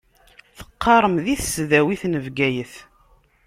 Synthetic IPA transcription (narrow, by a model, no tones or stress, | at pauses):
θə̥qːɑɾˤəmðiθsðæwiθnəvɡæjəθ